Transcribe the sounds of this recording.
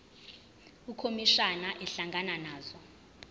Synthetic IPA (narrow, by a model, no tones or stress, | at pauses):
ukʰomiʃanaʔɛɬaŋɡʱananaːzɔ